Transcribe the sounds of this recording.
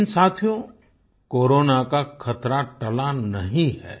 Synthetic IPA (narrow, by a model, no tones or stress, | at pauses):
nsaːt̪ʰijõ | koːɾoːnakakʰɐt̪ɾaʈɐlanɐɦĩɦɛ̰ː